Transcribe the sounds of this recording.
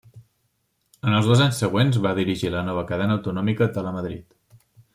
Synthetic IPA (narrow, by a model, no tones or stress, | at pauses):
ənəlˠzð̞ɔzaɲsəɣ̞wenzβaðiɾiʒilənɔβ̞əkəðɛnəwt̪unɔmikət̪ələməðɾḭt̪